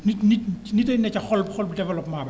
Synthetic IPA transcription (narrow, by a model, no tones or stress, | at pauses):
nininitenɛt͡ʃaχɔlbχɔlbdɛvɛlɔpmaːba